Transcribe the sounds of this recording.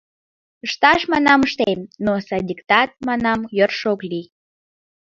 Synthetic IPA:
əʃt̪ɑʃmɑnɑməʃt̪emnosɑd̪ʲikt̪ɑt̪̚mɑnɑmjorʃokli

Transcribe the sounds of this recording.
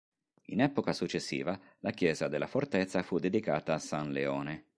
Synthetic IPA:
ḭnɛːpokasut͡ʃːesːḭːva | lakjɛːzad̪elːafort̪et̪sːafud̪ːed̪ikaːt̪aːsanleɔːne

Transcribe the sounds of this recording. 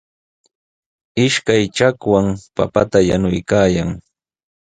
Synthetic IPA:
ɪʃkajt͡ʃakwaŋpa̰pat̪aja̰nʊjkaːjaŋ

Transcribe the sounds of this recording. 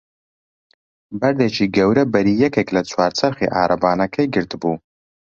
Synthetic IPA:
bɐɾd̪eːt͡ʃʰiːɡɐwɾɐbɐɾiːjɛkeklɐt͡sʰwaːɾt͡sʰɐɾχḭʔaːɾɐbaːnɐkʰɐjɡɨɾt̪ɨbuː

